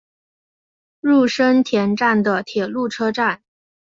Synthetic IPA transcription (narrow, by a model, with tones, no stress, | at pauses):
ɻu˥˩ʂə˥nt̪ʰjɛ˧˥nʈ͡ʂa˥˩nd̪ə˩t̪ʰjɛ˨˩lu˥˩ʈ͡ʂʰɤ˥ʈ͡ʂa˥˩n